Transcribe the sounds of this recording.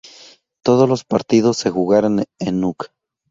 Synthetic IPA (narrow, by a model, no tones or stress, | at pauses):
t̪o̞ð̞ozlo̞spaɾt̪ið̞o̞sːe̞xuɣaɾonenːukḁ